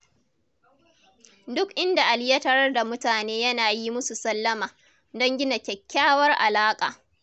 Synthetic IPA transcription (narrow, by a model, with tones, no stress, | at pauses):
dʊ˦kʔɪ˦nda˨ʔa˨ljɐ˦tɐ˦ɾɐ˦rda˨mʊ˦taː˨neː˦jɐ˦naː˨ji˦mʊ˦su˨sɐ˦lːɐ˦maː˨ | dɔ˦ŋɡʲɪ˦na˨kʲɛ˨kʲːaː˦wɐ˦rʔa̰˨laː˦kʼa̰ː˨